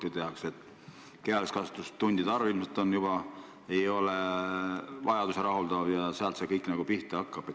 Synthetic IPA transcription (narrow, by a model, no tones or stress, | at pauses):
t̪et̪eɑkse̞t̪ː | keɑlekskɑst̪ust̪ːunʲd̪̥id̪ɑɾuilmset̪ːˑo̞njubɑ | e̞jo̞le | vɑjɑd̪use̞ɾɑɦuld̪ɑvjɑseɑlt̪sekɤjkːnɑɡ̥upiht̪ˑeɑkːɑb̥e